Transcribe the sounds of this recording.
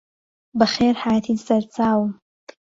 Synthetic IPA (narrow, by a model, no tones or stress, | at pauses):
bɨχeːrħaːjat̪ʰiːdsɐɾt͡sʰʼaːwm